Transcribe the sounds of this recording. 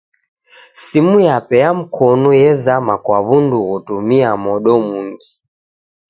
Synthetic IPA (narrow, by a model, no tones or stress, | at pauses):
simujapɛjam̩kʰɔnujɛzamakwaβunduɣutumiamɔɗɔmuŋɡi